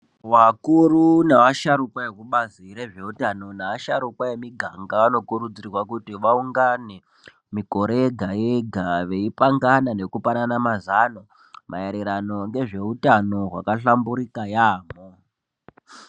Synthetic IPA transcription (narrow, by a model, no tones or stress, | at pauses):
wakurunaʋaʃaɾukwajekuɓaziɾe̞ʐe̞utano̞naʋaʃaɾukwajemiɡʱaŋɡaano̞kuɾud͡zirwakutiʋauŋɡane̞ | miko̞ɾeɡʱajeɡʱaʋe̞ipaŋɡanane̞kupananamazano̞ | mʔa̰jeɾiɾano̞ŋɡe̞ʐe̞utano̞ɦwakaɬambuɾikajaːmo